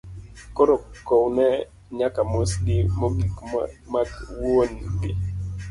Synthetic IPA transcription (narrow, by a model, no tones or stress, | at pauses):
kɔɾɔkownɛ | ɲakamosɡɪmoɡikmakwonɡi